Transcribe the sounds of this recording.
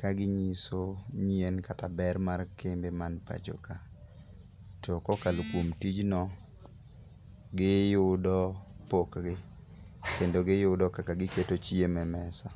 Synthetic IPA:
kaɡɪɲisoɲjenkatabɛrmarkembemanpa̰d͡ʒo̰ka | tɔkɔkalokwomtid͡ʒnɔ | ɡɪjʊdɔpokɡɪ | kendoɡɪjʊdɔkakaɡɪketot͡ʃjemɛmɛsa

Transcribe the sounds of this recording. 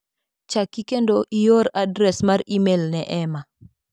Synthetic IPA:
t͡ʃakːikendoʔijoɾadɾɛsmaɾimelnɛʔɛma

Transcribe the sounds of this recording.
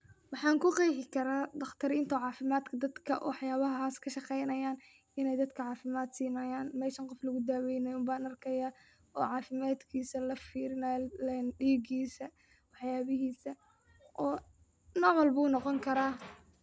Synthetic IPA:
wɑħɑːŋkʰʊqɑjħɪkʰɐɾaːd̪ɐχt̪ʰɐɾɪnt̪ʰɔʕɑːfɪmaːd̪kʰɐd̪ɐd̪kʰɐ̰wʔɑħjaːβɐɦaːskʰɐʃɑqɛjnɐjaːn | ɪnɛjd̪ɐd̪kʰɐʕɑːfɪmaːd̪siːnɐjaːnmɛːʃɐŋqɔflɐɣʊd̪aːwɛjnɐjʊmbaːnɐrkʰɛjaː | ɔːʕɑːfɪmaːd̪kʰiːsɐlɐfiːɾɪnɐɛnɖiːɡiːsɐ | wɑħjaːβɪɦiːsɐ | ʔɔː | nɔːʕwɐlbuːnɔqɔŋkʰɐɾaː

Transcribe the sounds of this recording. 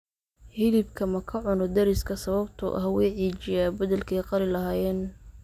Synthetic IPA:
hɪlɪbkʰɐmɐkʰɐʕʊnɔd̪ɐɾɪskʰɐsɐβɐbt̪ʰʊ̰ʔɐ̰hwɛjʕiːt͡ʃɪjaːbɐðɐlkʰɛjqɑlɪlɐɦaːjɛːn

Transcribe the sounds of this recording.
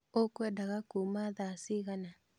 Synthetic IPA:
okwɛdaɣakumaðasiɣana

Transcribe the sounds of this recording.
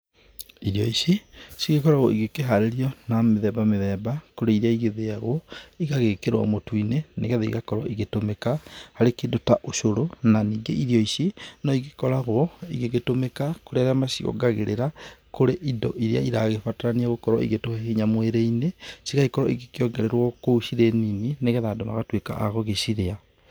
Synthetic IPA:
iɾiɔiɕisiɣekɔɾaɣɔ̰iɣekeɦaɾeɾiɔnameðɛbameðɛbakoɾeiɾaiɣeðeaɣwɔiɣaɣekeɾɔ̰motwineneɣaðeḭɣakɔɾwɔʔiɣetomekahaɾekendotaʔoʃoɾonaniːɡeʔiɾiɔisinɔiɣekɔɾaɣwɔiɣeɣetomekakoɾeaɾamasiɔ̰ɡaɣḛɾeɾakoɾeʔidɔ̰ʔiɾja̰iɾaɣefataɾaniaɣokɔɾɔ̰ḭɣetoheheɲamweɾeinesiɣaikɔɾɔiɣekeɔɡeɾeɾwɔkouʃiɾeninineɣeðadoma̰ɣatweka̰ʔaɣɔɣeʃiɾea

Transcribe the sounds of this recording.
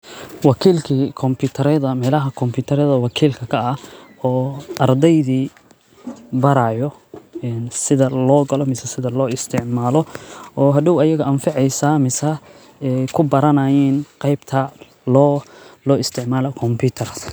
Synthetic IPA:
wɑkʰiːlkʰikʰɔmpʰuːt̪ʰɐɾɛðɐmɛːlɐɦɐkʰɔmpʰuːt̪ʰɐɾɛðɐwɑkʰiːlkʰɐkʰɐɐɔːɐrd̪ɛjðiː | bɐɾaːjɔɛnsɪðɐlɔːɡɐlɔmɪsɐsɪðɐlɔːɪst̪ʰɪʕmaːlɔʔɔːɦɐd̪ʊwɐjɐɣɐʔɐnfɑʕɛjsaːmɪsɐ | ɛjkʰʊbɐɾɐnɐjiːnqɑjbt̪ʰɐ | lɔːlɔːɪst̪ʰɪʕmaːlɔkʰɔmpʰuːt̪ʰɐr

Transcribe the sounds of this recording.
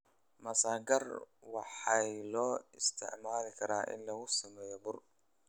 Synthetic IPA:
mɐsaːɡɐrwɑħɑjlɔːɪst̪ʰɪ̰ʕmaːlɪkʰɐɾaːʔɪ̰nlɐɣʊsɐmɛːjɔbʊr

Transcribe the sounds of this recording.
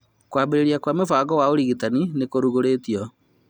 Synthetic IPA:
kwambeɾeɾiakwamefaːɡɔwaoɾiɣitaninekoɾuɣoɾeːtiɔ

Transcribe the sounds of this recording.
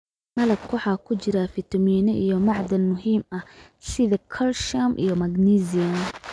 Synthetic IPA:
mɐlɐb̚kʰʊħɑːkʰʊt͡ʃɪɾafɪt̪ʰɐmiːnɛʔijɔmɑʕd̪ɐlmʊɦiːmɐh | sɪðɐkʰɐlʃamʔijɔmɐɡniːziɐn

